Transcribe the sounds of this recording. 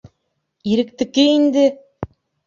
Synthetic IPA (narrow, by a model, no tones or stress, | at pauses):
iɾɘ̆kt̪ɘ̆kɘind̪ɘ